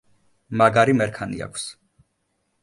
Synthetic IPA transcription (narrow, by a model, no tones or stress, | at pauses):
maɡaɾimɛɾkʰanḭa̰kʷʰs